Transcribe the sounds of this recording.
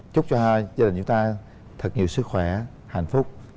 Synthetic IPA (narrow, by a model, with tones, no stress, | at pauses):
t͡ɕʊ˦˥k͡p̚t͡ɕɔ˧haː˧jzaː˧ɗï˨˩ŋ̟t͡ɕʊ˦ŋ͡mt̪aː˧ | t̪ʰə˨˩t̚ɲi˨˩əwsɨ˦˥k̚xwɛ˧˩˨ | ha̰˨˧˩jŋ̟fʊ˦˥k͡p̚